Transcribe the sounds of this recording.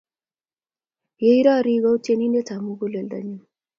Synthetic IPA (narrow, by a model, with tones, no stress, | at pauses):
je˦i˦ɾa˦ɾi˧ɡa˦wte˧ni˦ne˦tʰa˨mu˦ɡu˦le˨ld̪a̰˨ɲi˦m